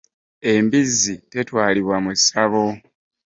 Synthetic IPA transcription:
e̞mbizite̞twaːliβwamusaβo̞

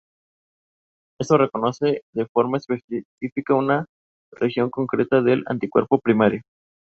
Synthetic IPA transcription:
e̞st̪o̞re̞ko̞no̞se̞ðe̞fo̞ɾmaespesifikauna | rexjo̞ŋko̞ŋkɾe̞t̪aðe̞la̰nt̪ikweɾpo̞pɾimaɾjo

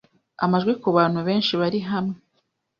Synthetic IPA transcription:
a̰maʒɡwikuβaːn̥huβe̞ːnʃiβaɾiɦamŋe

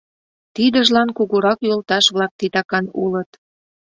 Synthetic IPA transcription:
t̪id̪ə̆ʒlɑnkuɣuɾɑkjolt̪ɑʃβlɑk̚t̪it̪ɑkɑnulət̪

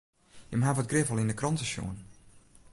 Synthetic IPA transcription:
jəmɦavɔtɡrɪvəlˠindəkrɔntəʃo̰ən

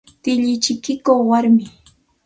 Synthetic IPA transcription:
t̪ɪʎɪt͡ʃɪkɪkoχwaɾmɪ

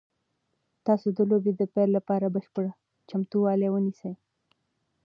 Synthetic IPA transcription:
t̪ɑsod̪əlobed̪əpɛllapɑɾabəʃpəɽa | t͡ʃamt̪uwɑlewənisəj

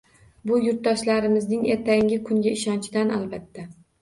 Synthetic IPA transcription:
bʊjʊɾt̪̚d̪ɒʃlaɾɪmɪznɪŋe̞ɾt̪ʰaŋʲɪkʰʊŋɡʲaɪʃɒnt͡ʃʰɪd̪ana̰lbat̪ʰːa

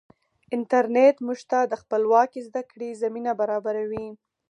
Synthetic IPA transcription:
ɪnt̪aɾnet̪muʒt̪ad̪əxpəlwɑkizd̪akɽezaminabaɾɑbaɾawi

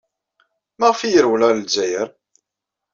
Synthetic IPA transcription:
mæʁfijəɾwlæɾlzæjəɾ

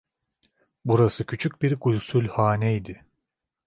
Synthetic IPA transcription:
buɾasɯcʰyt͡ʃʰyc̚biɾɡulʲsylʲhaːnɛjd̪ɪ

